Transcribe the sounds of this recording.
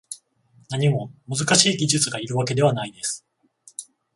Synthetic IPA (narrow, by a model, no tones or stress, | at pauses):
naɲ̟imo̞mɯzɨkaɕiːɡʲiʑɨt͡sɨɡaiɾɯ̟βake̞d̪e̞β̞anaid̪e̞sɨ̥